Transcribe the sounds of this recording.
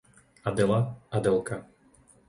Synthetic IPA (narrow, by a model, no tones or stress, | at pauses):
ad̪ɛlaad̪ɛlˠka